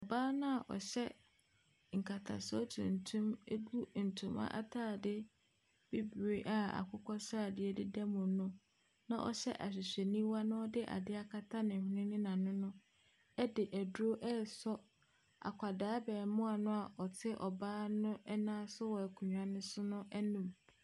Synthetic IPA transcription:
ɔ˨baː˦nʊ̃˦a˨ʔɔ̰˨ɕɛ˦ | ŋ̩˨kʰa˨tʰa̰˨sɔ˦tʰṵ̃˨n̩˨tʰũ˦m˦ɡu˦n̩˨tʰũ˦ma̰˦ʔa̰˦tʰaː˦˨dɪ˦ | b̥i˦bu˨e˦ʔa˦a̰˨kʰʊ˦kʰɔ˦saː˦˨dɪ˦ɛ˦dɪ˦dɛ˦mʊ̃˨˦nʊ̃˦ | nã̰˦˨ʔɔ̰˦ɕɛ̰˦ʔa˨ɕ̬ɪ˨ɕɛ˨nĩ˦wa˦nʊ̃˦ɔ˦dɪ˦ʔa̰˨dɪ˦a˦kʰa˦tʰa˦nɪ̃˨nɪ̃˦nɪ̃˦nã˨nʊ̃˦nʊ̃˦ | ɛ˦dɪ˨ʔæ˨du˨˦o˦ʔɛ˦˨sɔ˦ | a̰˨kʷʰa˨daː˨˦bɛː˨mʊ̃˦a˨nʊ̃˦a˨ʔɔ˨tʰɪ˦ʔɔ˨baː˦nʊ̃˦ɛ˦nãː˦sʊ˦wɔ˨æ˨kʰu˨ɲᶣ˨ã˨nʊ̃˦sʊ˦nʊ̃˦ʔɛ˦nũ˨m

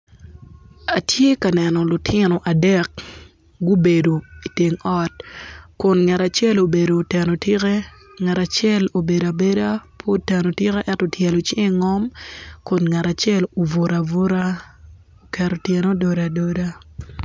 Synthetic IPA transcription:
a˨tje˦ka˨nɛ˨nɔ˨lʊ˨tʰɪ˦nɔ˨ʔa˨dɛ˦k̚ | ɡo˦be˨do˨i˨te˨ŋɔ˦t̚kʊ˨nŋɛ˨ɾa˨t͡ʃɛ˦lo˨be˨do˨tɛ˨no˨tɪ˦kɛ˦ŋɛ˨ɾa˨t͡ʃjɛ˦lo˨be˨da˨be˦da˦pʰo˦tɛ˨no˨tɪ˦kɛ˦ʔɛ˦tɔ˨tjɛ˨lo˨t͡ʃɪ˦ŋ˦ŋɔ˦mkʊ˨nŋa˨ɾa˨t͡ʃjɛ˦lo˨vo˨ɾa˨vo˦ɾa˦ | o˨kɛ˨ɾo˨tjɛ˨no˦do˨ɾa˨do˦da˦

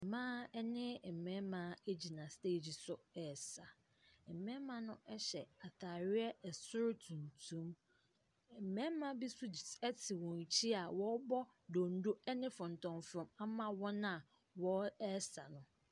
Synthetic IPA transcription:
mãː˦ɛ˦nɪ̃˦˨m̩˨mɛ̃˦mã˨˦e˦d͡ʑi˨nã˨ste˦˨d͡ʑi˨sʊ˨ɛ˨sa˨ | ɛ˨mɛ̃˦mã˦nʊ̃˦ʔɛ˦ɕɛ˨a˨tʰa˨ɾɪ˦ɛ˦ɛ˨sʊ˦ɾtʰũ˨n˨tʰũ˦m˨ | m̩˨mɛ̃˦mã˦bi˦sʊ˦ɛ˦tʰɪ˨wɔ̃˨n˨t͡ɕʰi˦a˨wɔ˦bɔ˦ | do˨n̩˦do˦ɛ˦nɪ̃˦fʊ̃˨n̩˨tʰɔ̃˨nfɾɔ̃˨ma˦mã˦wɔ˦nã˦˨ | wɔ˦ɛ˦sa˨nʊ̃˨

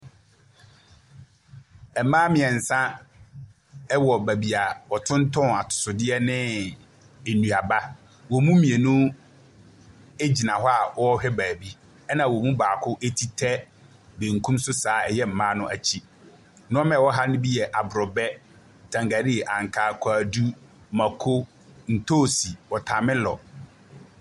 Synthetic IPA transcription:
ɛ˨mãː˦mɪ̃˨ɛ˨n̩˨sã˦ | ɛ˦wɔ˨bæ˨bi˨a˨wɔ˨tʰʊ̃˦n˦tʰɔ̃˦˨a˨tʰʊ̥˨sʊ˨dɪ˦ɛ˦nɪ̃˦ | e˨nũ˨a˨ba˦ | wɔ˨mũ˦mĩ˨e˨nũ˦ | e˦d͡ʑi˨nã˨ɦɔ˦a˨ɔ˦ɔ˦hᶣɛ˦baː˨bi˦ | ɛ˦nã˨wɔ˨mũ˦baː˨kʰʊ˦ʔe˦tʰi˦tʰɛ˦ | bẽ˨ŋ̩˨kʰũ˦msʊ˦saː˨˦ɛ˨jɛ˦m̩˨mã˦nʊ̃˦ʔæ˨t͡ɕʰi˦ | nʊ̃˦ɔ˦mɛ̃˨wɔ˦ɦa˦nʊ̃˦bi˦jɛ˨ʔa˨bɾɔ˨bɛ˦˨ | tʰã˨ŋɡa˨ɾi˦˨ʔã˨ŋ˨kʰaː˨kʰɔ˦a˨du˦ | mã˨kʰo˦ | n̩˨tʰoː˦˨si˨wɔ˨tʰã˨mɪ̃˦lɔ˨

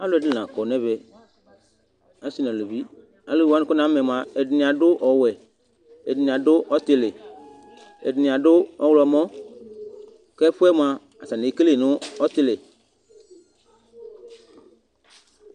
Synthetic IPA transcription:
a˦lɛ˨dɪ˦nã˨kɔ˨nɛ̃˦βɛ˨ | a˦si˦nã˨le˨bi˦ | a˨lʊ˦˨a˦n˨kʊ˦nã˨˦mɛ˨m˨ã˨ɛ˨dɪ˨nɪ̃˨a˨dʊ˦ʔɔ˨wɛ˨ | e˨dɪ˨nɪ̃˨a˨dʊ˦ʔɔ˦t̪ɪ˨lɪ˨ | ḛ˨dɪ˨nɪ̃˨a˨dʊ˦ɔ˦wlɔ˨mɔ̃˦ | kɛ˦ɸʊ˦ɛ˦m˨a˨ | a˨sa˨ne˨˦ke˦le˦˨nʊ̃˦ɔ˦t̪ɪ˦lɪ˨

